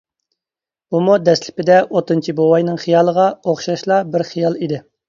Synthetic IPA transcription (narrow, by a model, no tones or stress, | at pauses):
umud̪ɛslɪ̥pɪd̪ɛʔot̪ːɨnt͡ʃʰibowɑjnɨŋχijɑːlˠəʁɑoχʃɑʃlˠɑbɪɾχijɑlˠid̪ɪ